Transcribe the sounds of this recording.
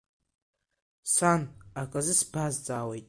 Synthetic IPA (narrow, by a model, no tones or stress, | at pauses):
sanakʼazɨsbazd͡zʼaːwejtʼ